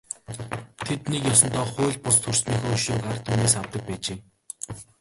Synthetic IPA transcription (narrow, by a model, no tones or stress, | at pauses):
t̪ʰet̪nekjɔsɞ̆nt̪ɔːχʊːɮ̚ʲpʊst̪ʰʊrsniːŋxoːʃoːkart̪ʰuːneːsawt̪ə̆k̚pæːt͡ɕeː